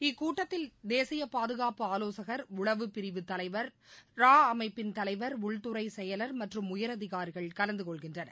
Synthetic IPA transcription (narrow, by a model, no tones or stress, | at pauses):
ɪkːuːʈːɐt̪ːɪld̪eːsɪjɐpaːðɯɣaːpɯaːloːsɐɣɐɾʊɭɐʋɯpɪɾɪʋɯt̪ːɐlɐɪʋɐɾɾaːɐmɐɪpːɪnt̪ɐlɐɪʋɐɾʊɭt̪ɯɾɐɪsɛjɐlɐɾmɐʈrɯmʊjɐɾɐðɪɣaːɾiɣɐɭkɐlɐnd̪ɯkɔɭɣɪndrɐnɐ̰